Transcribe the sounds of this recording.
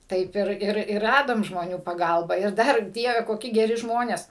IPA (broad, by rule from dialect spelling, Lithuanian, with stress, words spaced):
ˈtɐɪp ɪr ˈɪr ɪr ˈrɑːdoːm ʒmoːˈnʲuː pɐˈɡɐlˠbɐ ɪr ˈdɐr ˈdʲiɛʋʲɛ koːˈkʲɪ ɡʲɛˈrʲɪ ˈʒmoːnʲeːs